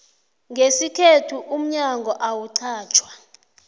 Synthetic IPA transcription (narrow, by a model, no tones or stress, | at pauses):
ŋɡʱesikʰetʰuʔum̩ɲaŋɡʱɔʔawuǀʰaːt͡ʃʰwa